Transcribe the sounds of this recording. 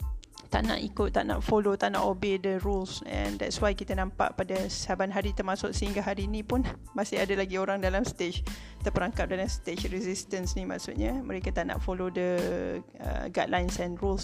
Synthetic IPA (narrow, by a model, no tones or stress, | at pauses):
t̪a̰ʔna̰ʔikʊt̪ːaʔna̰ʔfolot̪aʔna̰ʔobedəɾulsɛ̰̃ndɛ̰t̪swajkit̪anãmpa̰ʔpadasabanɦaɾit̪ərmasʊʔsəɦiŋɡaɦaɾiːnĩpʊn | masɪhadalaɡioɾaŋdalamst̪et͡ʃ | t̪əpəɾaŋkap̚dalamst̪et͡ʃrizist̪ənsnima̰ʔsʊt̪̚ɲamə̰̃ɾekat̪aʔna̰ʔfolodə | ə̰ɡadlajnsɛnruls